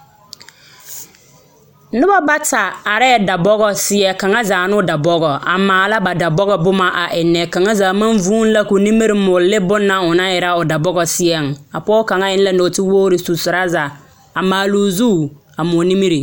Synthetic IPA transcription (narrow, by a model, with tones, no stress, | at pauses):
nʊ˦ba˦ba˦ta˨a˨ɾɛ˦˨da˨bɔ˦ɣɔ˨sɪ˦ɛ˦ka˨ŋa˦zaː˨nʊ˦da˨bɔ˦ɣɔ˨a˨maː˨la˦ba˨da˨bɔ˦ɣɔ˦bʊ˦ma˨ʔa̰˨ʔɪ˨nːɛ˨ka˨ŋa˦zaː˨ma˦nvuː˦n˦la˦ku˨ni˦mi˦ɾɪ˦mʊ˨llɪ˦bʊ˦nːa˦ʊ˨na˦jɪ˨ɾa˦ʊ˨da˨bɔ˦ɡɔ˨sɪ˦ɛ˦˨ŋ˨a˨pɔː˦ka˨ŋa˦ɪ˦n˦la˦no˨tɪ˦woː˦ɾɪ˨su˨sʊ˨ɾa˦za˨ | a˨maː˨luː˨zu˦˨ | a˨mʊ˨ni˦mi˦ɾi˨